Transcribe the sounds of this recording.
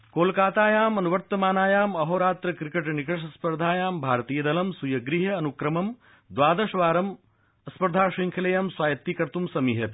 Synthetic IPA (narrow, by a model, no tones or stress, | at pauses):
koːlkaːt̪aːjaːmɐnuʋɐɾt̪ɐmaːnaːjaːmɐɦoːɾaːt̪ɾɐkɾikeʈnikɐʂɐspɐɾd̪ʱaːjaːmbʱaːɾt̪iːjɐd̪ɐlɐmsujɐɡɾiɦɐːnukɾɐmɐm | d̪ʋaːd̪ɐʃʋaːɾɐm | ɐspɐɾd̪ʱaːʂiŋkʰɐlejamswaːjɐt̪ːikɐɾt̪umsɐmiɦɐt̪